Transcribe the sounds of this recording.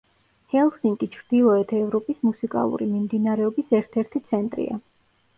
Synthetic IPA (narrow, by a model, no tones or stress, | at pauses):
hɛlˠsiŋkʼit͡ʃʰɾd̪̥ilˠɔɛt̪ʰɛvɾɔpʼismusikʼa̰lˠṵɾḭmimd̪inaɾɛɔbisɛɾt̪ʰɛɾt̪ʰit̪sʰɛnt̪ʼɾḭa̰